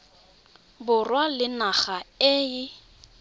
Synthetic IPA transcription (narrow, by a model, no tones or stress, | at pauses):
bʊrwalɪnaɣaeːɪ